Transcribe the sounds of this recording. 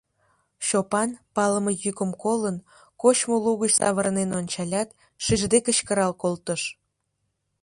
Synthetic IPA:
ɕopɑnpɑləməjykəmkolən | kot͡ɕmoluɣət͡ɕsɑ̰βəɾnenonʲt͡ɕɑlʲɑt̪ | ʃiʒd̪ekət͡ɕkəɾɑlkolt̪əʃ

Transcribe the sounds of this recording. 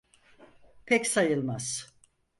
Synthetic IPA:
pʰɛcsajɯlˠmaz̥

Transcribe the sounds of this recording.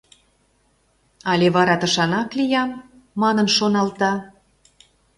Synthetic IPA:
ɑlʲeβɑɾɑt̪ə̆ʃɑnɑklijɑmː | ɑnənʃonɑlt̪ɑ

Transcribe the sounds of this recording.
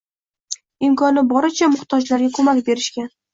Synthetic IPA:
ɪmkʰɒnɪbɒɾɪt͡ʃʰamʊχt̪ʰɒd͡ʒlaɾɡʲakʰɵmakʲbe̞ɾɪʃkʲan

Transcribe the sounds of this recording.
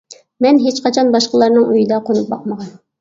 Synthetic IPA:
mɛnɦet͡ʃqɑt͡ʃʰɑnbɑʃqəlˠɑɾnɨŋøjid̪ɑqʰonup̚bɑq̚məʁɑn

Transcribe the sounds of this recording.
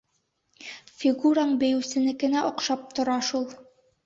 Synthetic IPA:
fʲiɡuɾaɴbɘ̆jɘ̆sɘ̆nɘkɘ̆næʔŏqʃɑp̚t̪ŏɾɑʃulˠ

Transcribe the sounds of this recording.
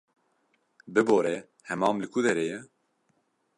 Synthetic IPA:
bɨboːɾɛ | hɛmɑːmlɪkʰud̪ɛɾeːjɛ

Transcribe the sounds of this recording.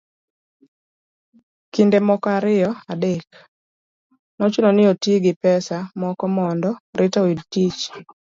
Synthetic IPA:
kindemɔkaɾɪjɔadek | nɔt͡ʃʊnɔnɪotiɡɪpɛsamɔkɔmɔndɔɾʔɪtawidtit͡ʃ

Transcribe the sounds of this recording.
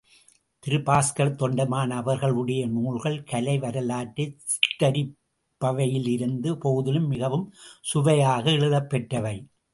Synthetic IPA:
t̪ɪɾɯpaːskɐɾt̪ɔɳɖɐmaːnɐːʋɐɾɣɐɭɯɽɐjɐnuːɻɣɐɭkɐlɐɪʋɐɾɐlaːʈːɐsɪ̥ʈːɐɾɪ | pːɐʋɐjɪlɪɾɯnd̪ɯpoɣɯðɪlɯmːɪɣɐʋɯmsʊʋɐjaːɣɐɛɭɯðɐpːɛʈrɐʋɐɪ

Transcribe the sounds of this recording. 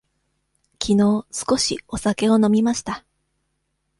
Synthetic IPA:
kʲʰino̞ːsɨ̥ko̞ɕio̞sake̞o̞no̞mʲimaɕi̥t̪a

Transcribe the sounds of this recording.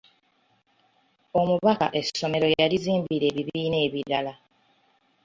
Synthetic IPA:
o̞muβaka̰ʔe̞so̞me̞ɾo̞jaliziːmbiɾe̞ːβiβiːne̞ːβiɾala

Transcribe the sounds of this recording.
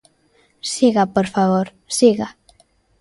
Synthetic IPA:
siɣapoɾfaβoɾ | siɣa

